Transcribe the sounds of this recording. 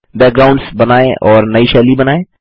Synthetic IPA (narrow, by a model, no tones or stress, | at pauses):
bɛːk̚ɡɾaːʊ̃ɳɖsbɐnaːẽʔɔːɾnɐiʃɛːlibɐnaːẽː